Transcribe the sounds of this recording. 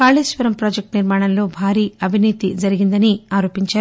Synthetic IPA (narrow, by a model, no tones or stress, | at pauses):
kaːɭiːsʋɐɾɐmpɾoːd͡ʒek̚ʈniɾmaːɽɐmlo̞ːbʱaːɾiːɐbʱiniːt̪id͡ʒɐɾiɡind̪ɐniaːɾo̞ːpiɲt͡ʃaːɾ